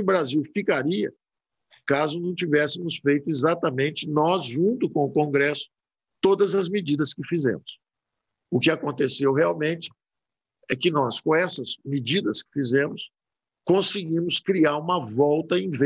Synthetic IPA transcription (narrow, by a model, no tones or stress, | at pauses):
ʊbɾaziwfikaɾiɐ̰ | kazʊnɐ̃w̃t͡ʃivɛsɪmʊsfejt̪ʊezat̪ɐmẽnt͡ʃɪnɔzʒũnt̪ʊkõʊkõɡɾɛsʊ̥ | t̪od̪ɐzɐzmɪd͡ʒid̪ɐskɪfizḛ̃mʊs | ʊkɪakõnt̪esewɦeawmẽnt͡ʃɪ̥ | ɛkɪnɔskõɛsɐsmɪd͡ʒid̪ɐskɪ̥fizẽmʊs | kõsɪɡĩmʊskɾiaɾũmɐvɔwt̪ɐẽj̃ve